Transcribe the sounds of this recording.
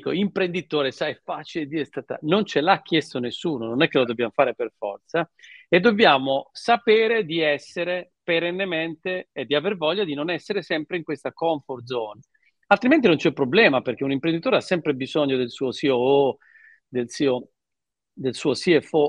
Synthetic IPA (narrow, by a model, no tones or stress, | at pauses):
koimpɾend̪it̪oːɾesajɛfaːt͡ʃiled̪iɛst̪at̪a̰nont͡ʃelak̟ːjɛst̪onesːuːnononɛkːelod̪objaːmofaːɾeperfɔ̰rt̪saed̪ːobjaːmosapeːɾed̪iɛsːeɾepeɾenːement̪eːd̪iavervɔʎːad̪inonɛsːeɾesɛmpɾeiŋkwest̪akɔɱford̪zɔːna | alt̪ɾiment̪̬inont͡ʃɛpːɾoblɛːmaperk̟eunimpɾend̪it̪oːɾeasːɛmpɾebizɔɲːod̪elsuːosioo | d̪elsiːo | d̪elsuːosiefo